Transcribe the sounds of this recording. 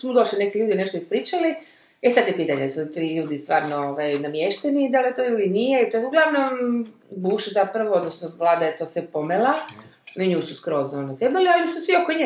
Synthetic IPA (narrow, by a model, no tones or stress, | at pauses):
smud̪oʃlinekiʎuːd̪ineʃt̪oispɾiːt͡ʃali | esad̪jepiːt̪aɲesut̪iʎuːd̪ist̪ʋaːɾnooʋajnamjeʃt̪enid̪alet̪oːilinijeit̪ouɡlˠaʋnombuːʃzapɾaʋood̪nosnoʋlˠaːd̪ajet̪osʋepo̞mela | niɲuːsuskɾoznoonazjebalialisusʋiokoiɲe